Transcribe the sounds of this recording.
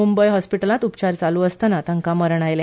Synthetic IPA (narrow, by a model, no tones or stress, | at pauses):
umbəjɦɔspiʈəlãt̪upt͡ɕaɾt͡saluːəst̪ənat̪əŋkaməɾɳ̃ajle